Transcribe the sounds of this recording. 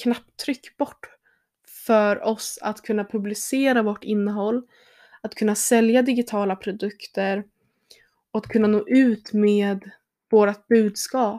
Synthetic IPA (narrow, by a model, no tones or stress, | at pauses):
kʰnap̚t̪ʰːɾʏkːb̥ɔʈː | fœɾɔsa̰t̪kʰɵnːapʰɵblɪseːɾavoʈːɪnːəɦɔlː | at̪kʰɵnːasɛljad̪ɪɡɪt̪ʰɑːlapʰɾʊd̪ɵkt̪əɾ | ɔat̪kʰɵnːanoːʔʉ̟ːt̪meːd̪ | voːɾat̪̚bʉ̟ːd̪skɑːp